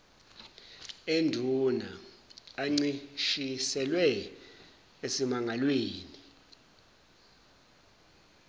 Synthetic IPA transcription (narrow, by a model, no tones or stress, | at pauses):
endʱuna̰ː | ŋ͡ǀiʃisɛlwɛ | esimaŋʱalweːni